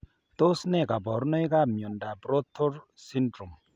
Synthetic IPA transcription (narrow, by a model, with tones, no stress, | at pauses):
t̪o˦snɛ˦˨ka˨bɔ˨ɾno˦jka˦mjo˨nda˨bɾo˦t̪ʰːo˦ɾ | si˦ndɾu˨m